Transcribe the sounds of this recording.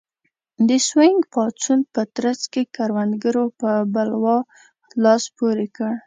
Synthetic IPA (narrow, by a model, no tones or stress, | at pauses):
d̪əsweŋɡpɑt͡sunpət̪ɾazkekaɾwand̪ɡəɾopəbalwɑ | lɑspoɾekəɽ